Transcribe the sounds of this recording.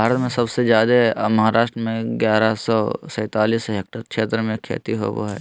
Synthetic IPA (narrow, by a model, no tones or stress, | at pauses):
bʱaːɾət̪mẽsɐbsezjaːd̪emɐɦaːɾaːʃʈɾəmẽɡjaːɾasɔːsɛ̃ːt̪aːliːsɦeːk̚ʈəɾkʃʰeːt̪ɾəmẽkʰḛːt̪iɦo̰ʋo̰ɦɛ̰ː